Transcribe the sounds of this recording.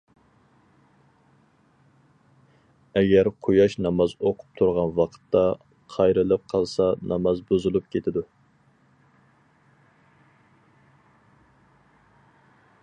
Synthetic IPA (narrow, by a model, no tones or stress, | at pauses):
ɛɡʲɛɾqʰojɑʃnɑmɑzoqʰʊ̥p̚t̪ʰuɾʁɑnwɑqʰə̥t̪ːɑ | qʰɑjɾɨlˠɨp̚qʰɑlˠsɑnɑmɑzbuzulˠup̚kʲʰet̪ʰɪd̪u